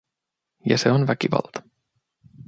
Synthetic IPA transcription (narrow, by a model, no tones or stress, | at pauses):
jɑ̰seonʋækiʋɑ̰lt̪ɑ̥